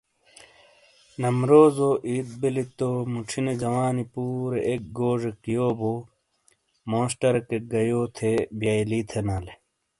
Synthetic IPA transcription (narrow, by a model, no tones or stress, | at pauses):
nɐmɾoːzoʔiːt̪̚belit̪omuʈ͡ʂʰined͡ʑɐwaːnipuːɾeʔek̚ɡoːʐekijoːbo | moːsʈɐɾkeɡɐjoːt̪ʰebjaːjlit̪ʰenaːle